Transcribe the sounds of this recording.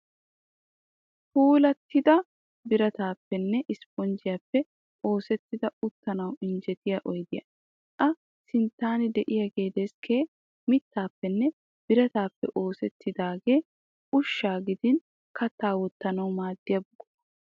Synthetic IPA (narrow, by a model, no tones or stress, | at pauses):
huːlɐt̪ːɪd̪ɐ | bɪɾɐt̪aːpːɛnːɛʔɪspɔnd͡ʒɪjapːɛ | ʔo̞ːsɛt̪ːɪd̪ɐʊt̪ːɐnɐwɪnd͡ʒɛt̪ɪjɐʔɔjd̪ɪjɐ̰ | ʔɐ | sɪnt̪ːaːnɪd̪ɛʔɪjɐɡe̞ːd̪eskʰeː | mɪt̪ːaːpːɛnːɛ | b̥ɪɾɐt̪aːpːɛ̰ʔo̞ːsɛt̪ːɪd̪aːɡe̞ː | ʔʊʃːaːɡɪd̪ɪn | kɐt̪ːaːwɔt̪ːɐnɐwmaːd̪ːɪjɐbʊɡɔ̥